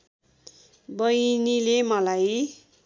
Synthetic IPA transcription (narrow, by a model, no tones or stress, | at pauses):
bʌjnilemʌlaj